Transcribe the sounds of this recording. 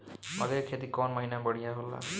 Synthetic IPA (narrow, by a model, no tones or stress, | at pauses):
mʌd̪ekʰet̪ikɔnmʌɦinabʌɽijaɦolːa̰